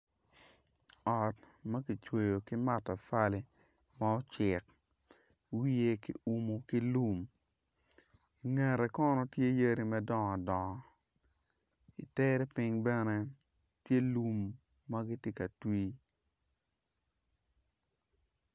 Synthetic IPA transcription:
ɔ˨t̚ | mɐ˦ki˨t͡ʃwe˨jo˨ki˦ma˦ta˨fa˦li˦ | ma˦ɔ˦t͡ʃɪ˨k | wi˦je˦kḭ˦u˦mo˨ki˦lu˦m | i˨ŋɛ˨ɾɛ˨kɔ˦nɔ˨tje˦je˦ɾi˨mɛ˦dɔ˨ŋɔ˨dɔ˨ŋɔ˨ | ḭ˨tɛ˦ɾɛ˦pɪ˦ŋbɛ˦nɛ˦ | tje˦lu˦mː | ɐ˦ɡi˦tje˦kɐ˨twiː˦

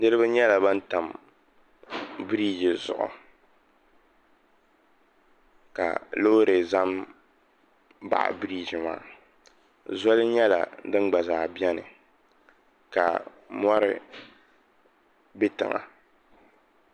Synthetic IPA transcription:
nɨ˦ɾɨ˦bɨ˦ɲɛ˦la˨ba˦n̩˦ta˨m | bɨ˦ɾi˦d͡ʒi˨zʊ̰˨ʔʊ̰˨ | ka̰˨lo˦ɾe˨za˦m | ba̰˨ʔa̰˨bɨ˦ɾiː˦d͡ʒɪ˨ma̰ː˦ | zɔ˦lɨ˦ɲɛ˦la̰˨dɨ˦nɡ͡ba˨zaː˨bi˦ɛ˦nɨ̰˨ | ka̰˨ | mɔ˦ɾɪ̰˦ | bɪ˦tɨ̰˨ŋa̰˨

